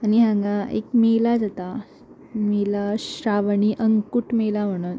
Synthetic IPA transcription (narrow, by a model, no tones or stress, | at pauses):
aniɦãɡãḛkmelad͡zat̪a | melaɕɾaʋɳiʔəŋkuʈmelam̤əɽ̃ət̪